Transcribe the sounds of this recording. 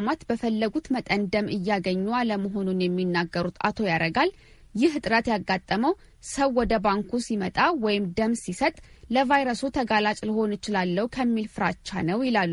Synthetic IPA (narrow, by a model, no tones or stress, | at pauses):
mat̪bəfəlːəɡut̪mət̪ʼənd̪əmɨjːaɡəɲːualəməɦo̞nunjɛmːinːaɡːəɾut̪ʰa̰t̪ʰo̞jaɾəɡal | jɪhɨt̪ʼɾət̪jaɡːat̪ʼːəməw | səwːɔd̪əbaŋkusimət̪ʼawɔjɪmd̪əmsisət̪ʼləvajɾəsut̪ʰəɡalat͡ʃʼlɨho̞nɨt͡ʃɪlalːəhukʰəmːilfɨɾat͡ʃːa̰nəwjɪlalːu